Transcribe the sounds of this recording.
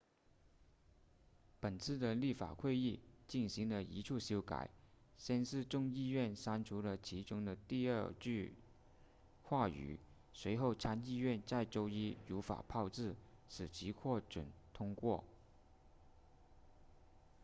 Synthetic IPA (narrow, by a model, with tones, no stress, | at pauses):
pə˨˩nt͡sʰɹ̩˥˩d̪ə˨li˥˩fa̰˨˩kʰwe˥˧ɪi˥˩t͡ɕi˥˩nɕi˧˥ŋlə˨i˧˥ʈ͡ʂʰu˥˩ɕjo˥ʊka̰˨˩˦ɪɕjɛ˥˧nʂɻ̩˥˧ʈ͡ʂʊ˥˧ŋi˥˧ɥɛ˥˩nʂa˥nʈ͡ʂʰu˧˥lə˨t͡ɕʰi˧˥ʈ͡ʂʊ˥ŋd̪ə˨t̪i˥˧ə˥˧t͡ɕy˥˧ | kʰwa˥˩y̰˨˩˦ | swe˧˥ɪxo˥˩ʊʈ͡ʂʰa˥ni˥˧ɥɛ˥˧nt͡sa˥˩ɪʈ͡ʂo˥ʊi˥u˧˥fa̰˨˩pʰɑ˥˧ʊʈ͡ʂɻ̩˥˩ʂɻ̩˨˩t͡ɕʰi˧˥kʰwɔ˥˩ʈ͡ʂwə̰˨˩˦nt̪ʰʊ˥ŋkwɔ˥˩